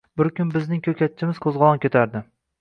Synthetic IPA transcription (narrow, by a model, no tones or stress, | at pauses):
bɪɾkʲʊnbɪznɪŋkʰʲɵkʲat̪̚t͡ʃʰɪmɪz̥qʰozʁɒlˠɒnkʲʰet̪ʰaɾd̪ɪ